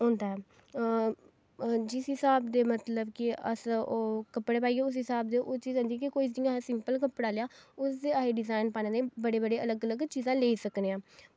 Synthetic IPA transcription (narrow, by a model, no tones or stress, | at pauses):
ɦɔ̃ːnd̪aːɦɛː | d͡ʒɪsɦɪsaːbd̪eːmət̪ləbkɪəsoːkəpɽeːpaːiːɡeːʊs̬ɦɪsaːbd̪eːʔoːt͡ʃiːz̃ːnd̪iɛkikoːis̬d̪iːaːɦesɪ̃mpəlkəpɽaːleːaːʊsd̪eːaːɦeːɖɪzaːɪnpaːnẽːd̪eːbəɽeːbəɽeːʔələɡələɡt͡ʃiːzãːleːiːsəkneːãː